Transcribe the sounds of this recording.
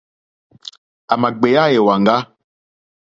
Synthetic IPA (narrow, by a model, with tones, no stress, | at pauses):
a˨ma˨ɡ͡be˨ja˦je˨wa˨ŋɡa˦